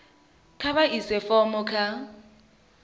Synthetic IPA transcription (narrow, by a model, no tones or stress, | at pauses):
kʰaɓaʔisɛfɔmɔkʰa